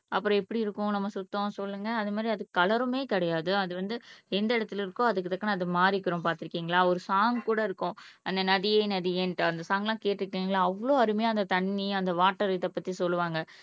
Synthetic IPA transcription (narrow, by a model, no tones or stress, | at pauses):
ɐpːɯɾɔ̃ɛpːɐɽiɪɾɯkːʊ̃nɐmːɐsʊt̪ːõsɔlːɯŋɡɐːðɯmaːd̪ɾiɐðɯkːɐlɐɾɯmeːkɪɽɐjaːðɯɐðɯʋɐnd̪ɯɛnd̪ɐɪɽɐt̪ːɪlɪɾɯkːʊ̃ɐðɯkːɯt̪ɐkːɐnɐɐðɯmaːɾɪkːɪɾõmpaːɾt̪ɪɾɯkːiːŋɡɐɭaːɔɾɯsaːŋkuːɽɐɪɾɯkːʊ̃ʔɐnd̪ɐnɐðɪjeːnɐðɪjenʈɐnd̪ɐsaːŋɡɐlãːkeːʈːɪɾɯkːiːŋɡɐɭaːɐʋːɭoːɐɾɯmɐjaːɐnd̪ɐt̪ɐɳːiɐnd̪ɐʋaːʈːɐɾɐt̪ːɐpːɐt̪ːisɔlːɯʋaːŋɡɐ